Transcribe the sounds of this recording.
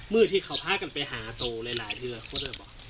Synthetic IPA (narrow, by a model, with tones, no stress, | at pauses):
mɯː˥˧˥t̪ʰiː˧˩kʰa˧˦˩wpʰaː˧˥˩ka˧npa˧jɦaː˩˦t̪oː˧la˧jlaː˩˦jt̪ʰiː˧aː˧˩kʰoː˧˥˨naː˧˩bɔː˨˩